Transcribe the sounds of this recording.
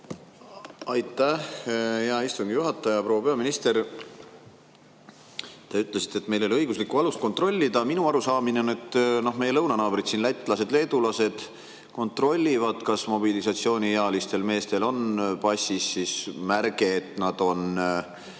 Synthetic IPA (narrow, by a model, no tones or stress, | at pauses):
ɑjt̪ːˑæhjɑist̪uŋɡ̥ijuɦɑt̪ːˑɑjɑpro̞wːɑpe̞ɑminist̪e̞ɾ | t̪ɑyt̪ːˑle̞si̥t̪ːˑe̞t̪ːˑme̞jlo̞lʲiɤ̞jɡ̥uslikːˑuɑlust̪̚ko̞nt̪ro̞lʲːid̪ɑminuɑɾusɑːmineonet̪ːno̞ɦme̞je̞lɤwnɑnɑːb̥ɾit̪sinlæt̪ʲːˑlɑse̞d̪le̞ːd̪ulɑse̞d̪̥ | ko̞nt̪ro̞lʲːivɑd̪̥kɑsmo̞bilisɑt̪sio̞ːnʲijeɑlist̪e̞lme̞ːst̪e̞lo̞npɑsʲisːismærɡ̥e̞ːt̪nɑd̪̥o̞n